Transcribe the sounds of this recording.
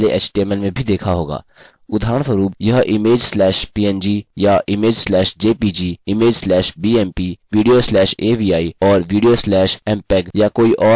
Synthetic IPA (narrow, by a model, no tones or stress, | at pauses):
leʔɛ̰t͡ʃʈiɛməlmẽbʱid̪eːkʰaɦoːɡa̰ː | ʊd̪ʱaːɾə̃ɳ̃səɾuːpjɐɦʔɪmeːd͡ʒslɛːʃpiːɛ̃nd͡ʒijaʔɪmeːd͡ʒslɛːʃd͡ʒeːpid͡ʒiɪmeːd͡ʒslɛːʃbiːɛːmpiːʋiːɖijoslɛːʃeːbiːaːiɔːɾʋiːɖijoslɛːʃɛ̃mpɛːɡjakoːiʔɔː